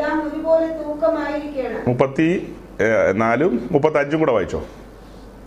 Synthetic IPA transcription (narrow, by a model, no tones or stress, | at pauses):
aːmoɾubo̞ːlet̪uːkːɐmaːjiɾikʲːɐjɐɳɨmupːɐt̪ːi | naːlummupːɐt̪ːiɐɲd͡ʑumŋkuːɽɐʋaːjit͡ɕːo̰ː